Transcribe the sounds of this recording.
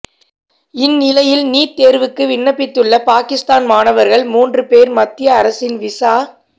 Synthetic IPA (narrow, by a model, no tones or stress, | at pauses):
ɪnːɪlɐjɪlniːɾt̪ːeːɾʋɯkːɯʋɪnːɐpːɪt̪ːɯɭːɐpaːkɪst̪aːnmaːnɐʋɐɾɣɐɭmuːndrɯpeːɾmɐt̪ːɪjɐːɾɐsɪnʋɪsaː